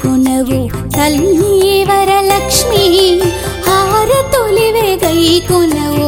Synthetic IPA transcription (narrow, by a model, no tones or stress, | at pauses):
unɐʋu | t̪ɐlmijeːʋɐɾɐlɐkʂmi | haːɾɐt̪oliʋeɡɐjkonɐʋu